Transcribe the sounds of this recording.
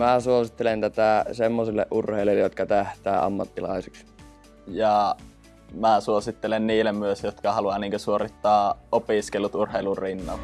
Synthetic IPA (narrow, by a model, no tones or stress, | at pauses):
mæsuosit̪ːelent̪æt̪æˑsemːosilːḛʔʔurheˑiliːjot̪̚kɑt̪æht̪æːɑ̰mːɑt̪ːilɑ̰iseks | jɑ | mæsuosit̪ːelenniːlːemmyøsjot̪kɑhɑluɑniːŋkøsuorit̪ːɑːʔopiskelut̪urheˑilurrinːɑ̰l